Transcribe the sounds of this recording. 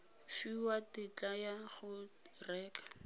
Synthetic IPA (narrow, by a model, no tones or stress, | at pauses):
ʃiwatɪt͡ɬʼajaχʊrɛːkʼḁ